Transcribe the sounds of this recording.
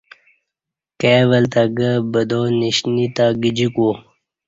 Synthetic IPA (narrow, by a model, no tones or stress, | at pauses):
keʋəlt̪aɡəbəd̪oniɕnit̪aɡid͡ʑiko